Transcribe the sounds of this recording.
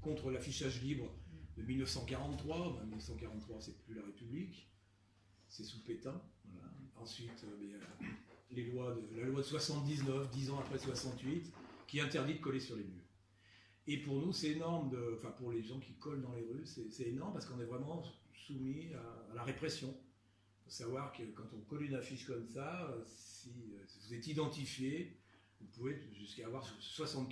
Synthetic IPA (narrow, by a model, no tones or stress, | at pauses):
kɔ̃t̪χəlafiʃaʒlibʁəd̪əmilnəfsɑ̃kaʁɑ̃t̪t̪ːχwabɛ̃milnəfsɑ̃kaʁɑ̃t̪t̪ːχwasɛplylaʁepyblik | sɛsupet̪ɛ̃vwalaɑ̃sɥit̪ʰøbɛja | lelwad̪əlalwad̪əswasɑ̃t̪̚d̪iznœfd̪izɑ̃apχɛswasɑ̃t̪ɥit̪kʲiɛɛ̃t̪ɛʁd̪id̪əkɔlesyʁlemyʁ | epuʁnusɛt̪enɔʁmd̪əɑ̃fɛ̃puʁleʒɑ̃kʲikɔld̪ɑ̃leʁysɛsɛt̪enɔʁməpaʁsə̥kɔ̃nɛvʁɛmɑ̃sumiaːlaʁepχɛsjɔ̃ | d̪əsavwaʁkəkɑ̃t̪ɔ̃kɔlynafiʃkɔmsaøssiøvuzɛt̪id̪ɑ̃t̪ifje | ɔ̃puvɛʒyskaːvwaʁswasɑ̃t̪